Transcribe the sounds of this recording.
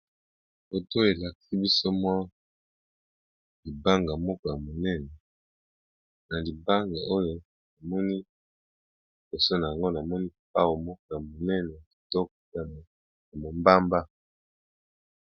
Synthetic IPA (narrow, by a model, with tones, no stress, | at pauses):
bo˨to˦˨e˨la˨ki̥˦si˦bi˦so˦mwa˦ | li˨ba˦ŋɡa˨mɔ˦ko˨ja˨mo˨nɛ˦nɛ˨ | na˨li˨ba˦ŋɡa˨o˦jo˨ | na˨mɔ˦ni˦ | bo˨so˦na˨ja˨ŋɡo˦na˨mɔ˦ni˦pa˦wo˨mɔ˦k̚o˨ja˨mo˨nɛ˦nɛ˨ki˨tɔ˦k̚a˨m˨ | ja˨mo˨mba˦mba˦